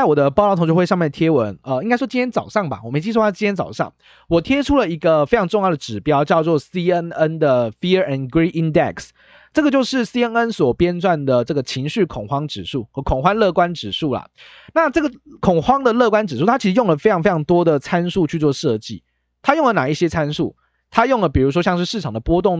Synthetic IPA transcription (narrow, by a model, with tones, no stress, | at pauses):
t͡sɪwɔ˨˩d̪ə˦pɑ˥˩lɑ˥t̪o˧ŋt͡ɕjo˥˧we˥˧ɑ˥˧mjɛ˥˩nt̪ʰjɛ˥wə˧˦nə˩i˥ŋka˥ɪʂwɔ˥t͡ɕi˥nt̪jɛ˥nt͡sɑ˨˩ʊʂɑ˥˩ŋba̰˩wɔ˨˩me˥t͡ɕi˥ʂw̪ʰt͡ɕi˥nʰjɛ˥t͡sɑ˨˩ʊʂɑ̰˥˩ŋ | wɔ˨˩t̪ʰjɛ˥ʈ͡ʂʰu˥lə˨i˧˥ɡə˨fe˥ɪʈ͡ʂʰɑ˧ŋʈ͡ʂʊ˥˧ŋjɑ˥˩ʊd̪ə˩ʈ͡ʂɻ̩˨˩pjɑ˥ʊt͡ɕjɑ˥˧ʊt͡swɔ˥˩si˥ə˥nə˦nd̪ə˨fi˥əɛ˨nɡɹi˥ʔi˥nd̪ɛ̰˨˩ks | ʈ͡ʂə˥˩ɡə˩t͡ɕjo˥˧ʊʂɻ̩˥˩si˥ə˥nə˦nswɔ˨˩pjɛ˥nt͡swa˥˩nd̪ə˩ʈ͡ʂə˥˩ɡə˩t͡ɕʰi˧˥ŋɕy˥˩kʰʊ˨˩ŋxwɑ˥ŋʈ͡ʂɻ̩˨˩ʂu˥˩xɤ˧˥kʰo˨˩ŋxwa˦˥nlɤ˥˩kwa˦˥nʈ͡ʂɻ̩˨˩ʂu˥˩lɐ̰˩ | na˥˨ʈ͡ʂɤ˥˩ɡə˩kʰʊ˨˩ŋxwɑ˥ŋd̪ə˨lɤ˥˧kwa˥nʈ͡ʂɻ̩˨˩ʂu˥˩t̪ʰa˥t͡ɕʰi˧˥ʂ̩ɻjo˥˩ŋlə˩fe˥ɪʈ͡ʂɑ˧˥ŋfe˥ɪɑ˧˥ŋt̪wɔ˥d̪ə˨t͡sʰa˦nʂu˥˧t͡ɕʰy˥˧t͡swɔ˥˧ʂɤ˥˧t͡ɕḭ˥˩ | t̪ʰa˥˦jo˥˩ŋlə˩na˨˩i˥˩ɕjɛ˥t͡sʰa˦˥nʂu˥˩ | t̪ʰa˥jʊ˥˩ŋlə˩p̬i˨˩ɻu˧˥ʂ̬wɔ˥ɕjɑ˥˧ŋʂɻ̩˥˧ʂɻ̩˥˩ʈ͡ʂʰɑ˨˩ŋd̪ə˩pwɔ˥t̪ʊ˥˨˩ŋ